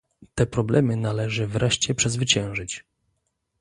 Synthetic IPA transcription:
t̪ɛpɾɔblɛmɘnalɛʐɘvɾɛʂt͡ɕɛpʂɛzvɘt͡ɕɛ̃w̃ʐɘt͡ɕ

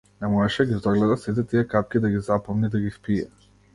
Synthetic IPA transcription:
nɛmɔɛʃɛɡʲizɔɡlɛd̪asit̪̬ɛt̪ijɛkap̚kʲid̪aɡizapɔmnid̪aɡispiɛ

